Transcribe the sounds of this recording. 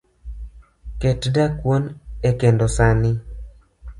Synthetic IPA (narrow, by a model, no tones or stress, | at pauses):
ketdakwonekendosanɪ